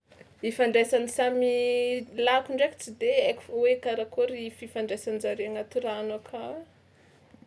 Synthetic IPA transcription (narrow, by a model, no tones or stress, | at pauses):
ifaɳɖ͡ʐesanisamilakuɳɖ͡ʐeki̥t͡sid̪eaku̥fwekaɾakoɾififaɳɖ͡ʐasanzaɾeaŋat̪uɾanakʰawe